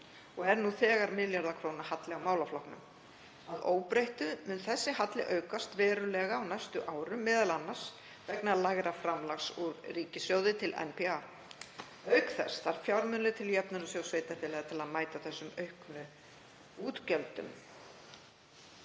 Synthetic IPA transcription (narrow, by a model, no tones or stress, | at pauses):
ɔɛɾnuθɛːɣaɾmɪljaɾðakʰɾoːwnahat̪lɪawmaːwlaflɔhknʏ̰m | aðoːwpɾejht̪ʏmʏnθɛsːɪɦat̪lɪʔœːɥkast̪vɛːɾʏlɛːɣaawnajst̪ʏʔaːwɾʏmːɪːðalanːaɾ̥s | vɛknalaːɣɾafɾamlaxsuɾriːcɪsjoːwðɪt̪ʰɪlɛ̰npʰɛa | œɥkθɛ̰st̪aɾ̥fjawɾmʏnlɪt̪ʰɪljɛpnʏnɔsjowsvejt̪aθɪlaːɣat̪ʰɪlaðmaːjt̪aθɛsːʏmœɥhknʏ | uːt̪cɛlt̪ʏ̰m